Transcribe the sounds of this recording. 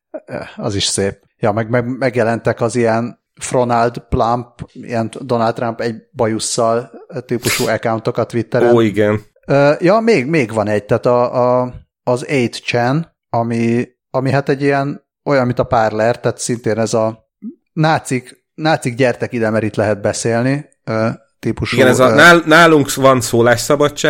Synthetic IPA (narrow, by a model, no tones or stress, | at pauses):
ø̰ːɒ̰ziʃseːp̚ | jɒmɛɡmɛɡmɛɡjɛlɛnt̪ɛkɒzijɛn | fro̞nɒld̪plampḭjɛnd̪o̞nalt̪ːrampɛɟbɒjusːɒlt̪iːpuʃuːɛkawnt̪o̞kɒt̪ʋit̪ːɛɾɛːiɡɛn | øːjɒmeːɡmeːɡʋɒnɛɟ̚t̪aːt̪ɒː | zejt̪t͡ʃɛn | ɒmi | ɒmiɦat̪ɛɟiɛn | o̞jɒnmint̪ɒpaːrlɛrt̪aːt̪sint̪eːnɛzɒ | naːt̪sik | naːt̪siɡɟɛrt̪ɛkid̪ɛmɛɾit̪lɛɦɛd̪̚bɛseːlni | øː | t̪iːpuʃiɡɛnɛzɒnaːlnaːluŋkvɒnsoːlaːʃsɒbɒt͡ʃːaː